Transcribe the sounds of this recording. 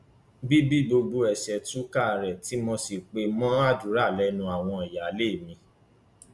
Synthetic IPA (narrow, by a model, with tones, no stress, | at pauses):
bi˦bi˦bo˧ɡ͡bo˧ɛ˨ʃɛ˨tũ˨˦ka˦˨ɾɛ˨ti˨˦mɔ̃˧si˨k͡pe˧mɔ̃˦a˦˨du˨˦ɾa˦˨lɛ˦nũ˧a˨w̃ɔ̃˧i˨ja˨˦le˦˨mĩ˧˦